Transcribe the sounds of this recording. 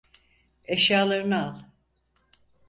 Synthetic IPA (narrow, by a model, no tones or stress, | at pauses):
eʃjaːlˠaɾɯnɯalˠ